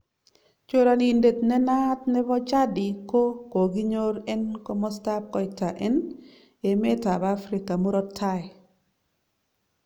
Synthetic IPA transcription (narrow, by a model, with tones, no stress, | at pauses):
t͡ʃo˦ɾa˨ni˨nde˨tnɛ˦na˦t̪̚nɛ˦bɔ˦t͡ʃa˦dɪ˨ko˦ko˨ɡi˦ɲo˦ɾɛ˦nko˦mɔ˦sta˦p̚kɔ˨ɪta˨ʔɛ˦n | e˨me˦ta˨ba˦fɾi˨ka˨mo˦ɾɔ˦tʰːa˦j